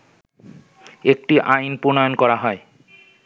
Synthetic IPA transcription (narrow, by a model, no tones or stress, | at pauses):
ek̚ʈiʔajnponɔjonkɔɾaɦɔe